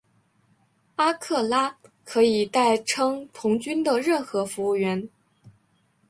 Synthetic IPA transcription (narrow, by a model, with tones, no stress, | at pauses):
a˥kʰɤ˥˩la˥kʰɤ˧˥i˨˩t̪a˥˩ɪʈ͡ʂʰɤ˥ŋt̪ʰʊ˧˥ŋt͡ɕy˥nd̪ə˨ɻə˥˩nxɤ˧˥fu˧˥u˥˩ɥɛ˧˥n